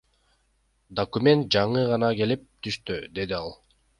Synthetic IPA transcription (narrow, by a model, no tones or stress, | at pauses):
d̪okumʲe̞nt̪̚d͡ʒɑɴɯʁɑnɑke̞lip̚t̪ʰyʃt̪yd̪e̞d̪iɑlˠ